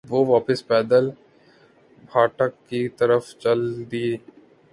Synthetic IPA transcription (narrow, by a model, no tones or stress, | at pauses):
ʋoʋaːpɪspɛːd̪əl | bʱaːʈəkːit̪ɐɾəft͡ʃɐld̪ie